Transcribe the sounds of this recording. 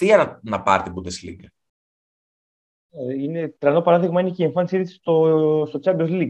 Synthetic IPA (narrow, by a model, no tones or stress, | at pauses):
t̪iɐnɐnɐpɐ̰ɾt̪ebud̪eslḭɡ | einet̪ɾɐnopɐɾɐðiɣmɐineceeɱfɐnisiɾisi̥st̪ost̪o̞t͡sɐbozliɡ